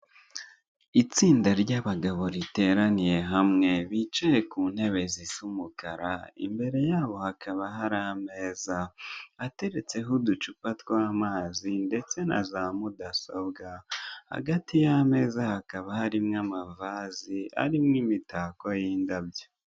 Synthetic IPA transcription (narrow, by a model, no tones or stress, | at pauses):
it͡siːndaɾɟaβaɡaβo̞ɾite̞ːɾanije̞ɦamŋe̞βit͡ʃaje̞kuːn̥he̞βe̞zisumukaɾa̰ḭmbe̞ɾe̞jaːβo̞hakʰaβaɦaɾame̞ːzaː | te̞ɾe̞t͡se̞ɦudut͡ʃupatwaːmaːzinde̞t͡se̞na̰zaːmudasobɡaha̰ɡatijame̞ːzahakaβahaɾimŋamavazia̰ɾimŋimitʰaːkojiːndabjo